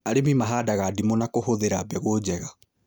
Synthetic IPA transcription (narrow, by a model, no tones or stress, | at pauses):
aɾemimaɦaːdaɣaːdimonakohoðeɾabɛɣod͡ʑɛɣa